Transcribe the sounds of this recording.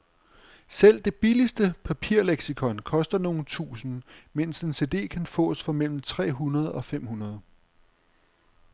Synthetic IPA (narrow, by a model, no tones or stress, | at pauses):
sel̰d̥e̝b̥ilisd̥əpʰæpʰiɐ̰leɡ̥sikʰɒ̽nkʰɒ̽sd̥ɐno̝ːn̩t͡sʰṵːsn̩men̰se̝nse̝ːd̥e̝̰ːkʰænfɔ̰ːsfɒ̽mel̰m̩t͡sʰʁɛ̰ːɦunɐð̞̩ˠɒ̽fem̰hunɐð̞̩ˠ